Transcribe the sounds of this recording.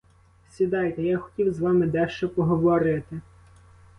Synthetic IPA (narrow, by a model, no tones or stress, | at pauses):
sʲid̪ɑjt̪ɛjɑxɔ̥tʲiwzʋɑmɪd̪ɛʃt͡ʃɔpɔɦɔʋɔɾɪt̪ɪ